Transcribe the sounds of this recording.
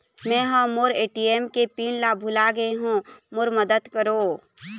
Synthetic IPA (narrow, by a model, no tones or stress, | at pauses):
mɛ̃ːɦə̃moɾeːʈiemkepiːnlabʱʊlaɡəeɦũmoɾməd̪əd̪kəɾoː